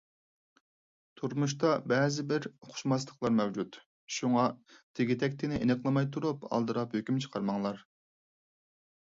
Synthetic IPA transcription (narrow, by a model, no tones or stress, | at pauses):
t̪ʰuɾmuʃt̪ɑbɛzɪbɪɾχʰʊ̥ʃmɑs̬lˠəqlˠɑɾmɛwd͡ʒut̪ | ʃuŋɑt̪ʰɪɡʲit̪ʰɛkʲt̪ʰɪnɪʔenɨqlˠɨmɑjt̪ʰuɾupɑ̰lˠd̪ɨɾɑphøkʲymt͡ʃʰə̥qʰɑɾmɑŋlˠɑɾ